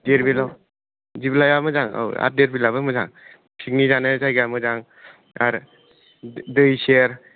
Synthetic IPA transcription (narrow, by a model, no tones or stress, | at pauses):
deɾbila | ziblajamɯzaŋa̰wa̰t̚deɾbilaβɯmɯzaŋ | sʰik̚nizanɯzajɡamɯzaŋ | aɾ | dɯjseɾ